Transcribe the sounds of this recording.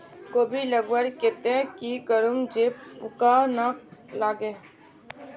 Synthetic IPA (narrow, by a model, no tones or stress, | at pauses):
koːbʱiləɡwəɾket̪ekikəɾumd͡ʒeːppʊkanalaːɡeː